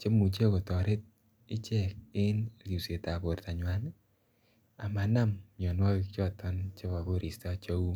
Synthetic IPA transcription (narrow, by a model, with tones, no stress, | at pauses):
t͡ʃe˦mu˨t͡ʃe˦ko˨tɔ˨ɾe˦t̚ | ɪ˦t͡ʃɛ˦˨k̚e˦n˨ju˨se˨ta˨bo˨ɾta˨ɲwa˨˦n | a˨ma˨na˦mɲɔ˨nwɔ˦ki˦kt͡ʃɔ˦tʰɔ˦nt͡ʃe˦ka˨ko˦ɾʔi˨sta˦t͡ʃo˦u˦